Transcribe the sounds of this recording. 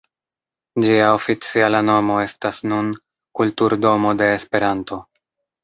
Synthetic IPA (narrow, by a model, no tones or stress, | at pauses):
d͡ʒiao̞fit͡sialano̞mo̞e̞stasnun | kultuɾdo̞mo̞de̞ːspe̞ɾanto̞